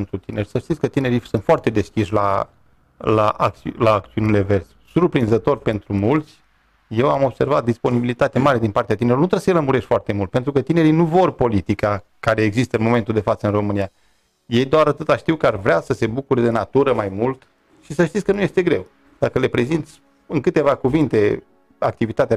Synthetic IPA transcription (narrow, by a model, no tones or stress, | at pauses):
nt̪ɾut̪inerʲsəʃt̪it̪sʲkət̪ine̞ɾisunt̪foart̪e̞d̪e̞skʲiʃla | laʔa̰kt̪laːk̚t̪siunile̞ve̞rs | surpɾinzət̪o̞rʲpe̞nt̪ɾumult̪sʲ | je̞wamo̞bse̞rvat̪̚d̪ispo̞nibilit̪at̪eamaɾe̞d̪inpart̪eat̪ineɾulonut̪ɾesəjeləmuɾeʃt̪foart̪e̞mult̪̚pet̪ɾukət̪ine̞ɾinuvo̞rpo̞lit̪ikakaɾe̞ːɡzist̪əɨnmo̞me̞nt̪uld̪e̞fat̪səɨnro̞mɨnija | je̞jd̪oaɾat̪ɨt̪aʃt̪iwkəarvɾeasəse̞bukuɾed̪e̞nat̪uɾəmajmult̪ | ʃisəʃt̪it̪sʲkənuje̞st̪e̞ɡɾe̞w | d̪̥akəle̞pɾe̞zint̪sʲ | ɨŋkɨt̪e̞vakuvint̪e̞ | ak̚t̪ivit̪at̪ea